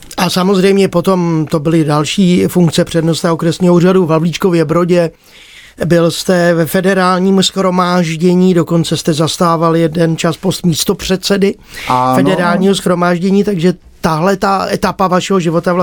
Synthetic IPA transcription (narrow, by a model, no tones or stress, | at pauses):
ʔasamo̞zrɛjmɲɛpo̞t̪o̞mt̪o̞bɪlɪdalʃiːfuŋkt͡sɛpr̥ɛdno̞st̪ɛokɾɛsɲiːɦouːraduvavlit͡ʃko̞vjɛbɾo̞ɟɛ | bɪlst̪ɛvɛfɛdɛɾaːlɲiːmusxɾo̞maːʒɟɛɲiːdo̞ko̞nt͡sɛst̪ɛzast̪aːvaljɛdɛnt͡ʃaspo̞st̪miːst̪o̞pr̝̥ɛt̪sɛdɪ | fɛdɛɾaːlɲiːɦosxɾo̞maːʒɟɛɲiːt̪aɡʒɛ | t̪aɦlɛt̪aʔɛt̪apavaʃɛɦoʒɪvo̞t̪avl